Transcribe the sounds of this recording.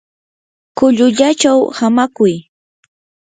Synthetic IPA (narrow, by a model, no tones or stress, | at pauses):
kʊʎʊʎat͡ʃawhamakʊj